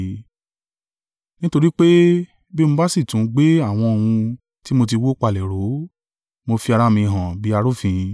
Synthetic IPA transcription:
nĩ˦to˧ɾi˦k͡pe˦ | be˦mõ˧ba˦si˦˨tũ˨˦ɡ͡be˦a˦˨w̃ɔ̃˧o˨wũ˧ | ti˦mo˧t̬i˧wo˦k͡pa˧˨lɛ˨ɾo˨˦ | mo˧fi˧a˧ɾa˧mĩ˧˨ɦã˨bi˨˦a˧ɾo˦fĩ˧

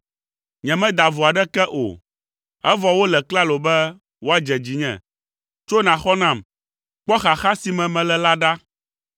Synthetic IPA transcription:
ɲɛ̃˨mɛ̃˦d̪a˨vu˨a˨ɖɛ˦kɛ˦ʔo̰˨ | ɛ˦vɔ˨wo˦lɛ˨kla˦lo˨bɛ˦ | wo˦a˦d͡ʒɛ˨d͡ʑi˨ɲɛ̰̃˨ | t͡ʃo˦nã˨xɔ˦nã˨m | k͡pɔ˦xa˨xa˦si˨mɛ̃˨mɛ̃˨lɛ˨la˦ɖa˦

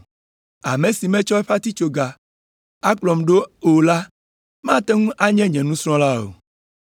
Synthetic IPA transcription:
a˨mẽ˨si˨mɛ̃˦t͡ʃɔ˦ɛ˦ɸa˦t̪i˦t͡ʃo˨ɡa˨ | a˦k͡plɔ˨mɖo˦o˨la˦ | mã˦t̪ɛ˦ŋũ˦ʔa˦ɲɛ̃˦ɲɛ̃˨nũ˦sɾ̃ɔ̃˦la˦o̰˨

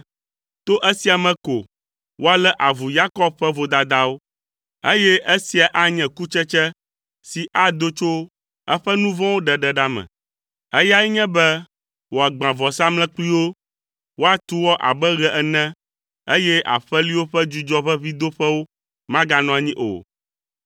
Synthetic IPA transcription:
t̪o˦ʔɛ˦si˨˦a˨mɛ̃˨ko˨ | wo˦a˨lɛ˦ʔa˨vu˨ja˦kɔ˦b̚ɸɛ˦vo˨d̪a˨d̪a˦wo˦ | e˦jɛ˦e˦si˨a˨ʔa˦ɲɛ̃˨ku˦t͡ʃɛ˦t͡ʃɛ˦ | si˨ʔa˦d̪o˦t͡ʃo˦ | ɛ˦ɸɛ˦nũ˦vɔ̃˦wo˦ɖɛ˨ɖɛ˨ɖa˦mɛ̰̃˨ | ɛ˦ja˦ɛ˦ɲɛ̃˦bɛ˦ | wo˨a˨ɡ͡bã˨vɔ˨sa˦mlɛ̃˦k͡pli˦wo˦ | wo˦a˨t̪u˦wɔ˦ʔa̰˨bɛ˦ɣɛ˨ʔɛ˨nɛ̃˦ | e˦jɛ˦ʔa̰˨ɸɛ˦li˦wo˦ɸɛ˦d͡ʒu˦d͡ʒɔ˦ɸɛ˦vi˦d̪o˦ɸɛ˦wo˦ | mã˦ɡa˦nɔ̃˨a˨ɲĩ˦ʔo̰˨

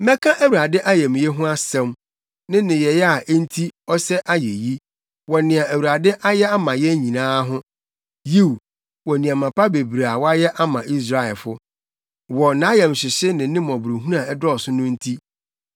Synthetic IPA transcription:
mɛ˦kʰã˦ʔæ˦wu˨ɾa˨dɪ˦ʔa˦jɛ˨m̃˨jɛ˦ɦʊ̃˦a˦sɛ̃˦m | nɪ̃˦nɪ̃˨jɛ˨jɛ˦a˨ʔn̩˦tʰi˦ɔ˦sɛ˦ʔa˦je˨ji˦ | wɔ˨nɪ̃˨a˨æ˨wu˨ɾa˨dɪ˦ʔa˦jɛ˦a˦mã˨jɛ˦ɲĩ˨nãː˦ɦʊ̃˦ | ji˦w | wɔ˨nĩ˨ã˨mã˨pʰa˦be˨bɾa˨wɔ˦a˦jɛ˦ʔa˦mã˨ʔi˦s̬ɾa˦˨ɛ˨lfʊ˦ | wɔ˨nã˨˦jɛ̃˨m˨ɕɪ˨ɕɪ˦nɪ̃˨˦nɪ̃˦mɔ̃˨bɾe˨ɦu˦nã˨ɛ˦dɔ˦ɔ˨sʊ˦nʊ̃˦n̩˦tʰi˦

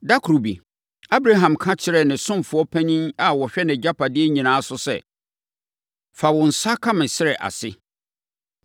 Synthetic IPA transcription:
da˦kʰu˨ɾu˨bḭ˨ | a˦bɾa˦ɦã˨mkʰã˦t͡ɕʰɪ˦ɾɛ˨nɪ̃˨sʊ̃˦mfʊ˨ɔ˦pʰæ˦ɲĩ˦na˨wɔ˨ɕᶣɛ˦nɪ̃˨d͡ʑa˦pʰa˨dɪ˦ɛ˦ɲĩ˨nãː˦sʊ˦sɛ̰˨ | fa˨wɔ̃˨n̩˨sa˦kʰã˦mɪ̃˨ɕɪ˦ɾɛ˨ʔa̰˨sɪ˦

